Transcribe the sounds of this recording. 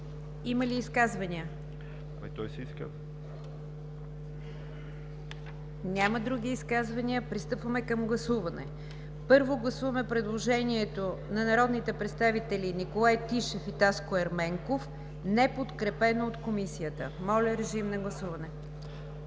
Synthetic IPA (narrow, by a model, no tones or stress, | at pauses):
iməliːskazvɐniə | ɐmit̪ɔjsɛiskə̰ | nʲaməd̪ɾuɡ̟iːskazvɐniəpɾist̪ɤpvəmɛkəmɡlˠɐsuvɐnɛ̰ | pɤɾvoɡlˠɐsuvɐmɛpɾɛd̪lˠoʒɛniɛt̪onɐnɐɾɔd̪nit̪ɛpɾɛt̪st̪avit̪ɛlʲinikolˠajt̪iʃɛfit̪askoɛɾmɛŋkof | nɛpot̪kɾɛpɛnoːt̪komisiət̪ə̰mɔlʲɐɾɛʒimnɐɡlˠɐsuvɐnɛ